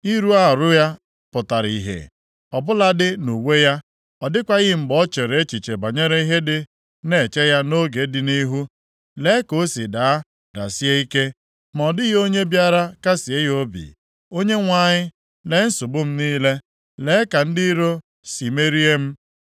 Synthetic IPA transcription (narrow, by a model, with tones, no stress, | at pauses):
i˦ɾu˦a˦˨ɾʊ˦ja˦ | pʊ˨ta˨ɾḭ˨ɦḛ˨ | ɔ˨bʊ˦la˦dɪ˦nu˨we˦ja˦ | ɔ˨dɪ˦kʷa˦ɣɪ˦˨m̩˨bɔ˦t͡ʃe˨ɾe˨˦t͡ʃi˨t͡ʃe˨ba˨ɲe˦ɾe˦i˦ɦe˦dɪ˦ | ne˨t͡ʃe˦ja˦no˦ɡe˨˦dɪ˨ni˦ɦu˦ | le˨˦ko˦si˨da˨a˦ | da̰˨si˦e˦i˦ke˦ | m˨ɔ˨dɪ˦ɣo˦ɲe˦bja˦ɾa˦ka˦si˨e˦jo˦bḭ˨ | o˦ɲe˦ŋʷa˦˨ɲɪ˦ | le˨˦n̩˦sʊ˨bʊ˦m̩˦niː˦le˦ | le˨˦ka˨n̩˦di˦ɾo˦ | si˨me˦ɾi˦e˦m̩˦